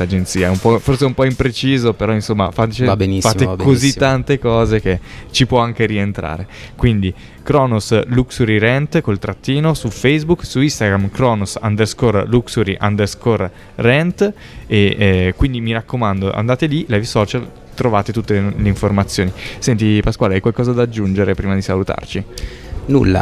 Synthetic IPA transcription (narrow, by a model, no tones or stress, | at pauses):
ad͡ʒent̪siːaɛumpɔforseɛumpɔimpɾet͡ʃiːzopeɾɔinsomːa̰fat̪t͡ʃebenifaekoziːant̪ekɔːzeket͡ʃipwɔaŋkeɾient̪ɾa̰ːɾekwind̪i | kɾɔːnosluksuɾiɾɛnt̪kolt̪ɾat̪ːiːnosufɛjzbuksuist̪aɡɾamkɾɔːnosand̪eskorluksuɾiʔa̰nd̪eskorː | ɛnt̪ | ekwind̪imiɾakːomand̪oʔa̰nd̪aːt̪elilavsɔːt͡ʃal | t̪ɾovaːt̪et̪ut̪ːeleiɱformat̪sːjoːnisɛnt̪ipaskwaːlajkwalkɔːzad̪ad͡ʒːund͡ʒeɾepɾiːmad̪isalut̪a̰rt͡ʃi | nṵlːa̰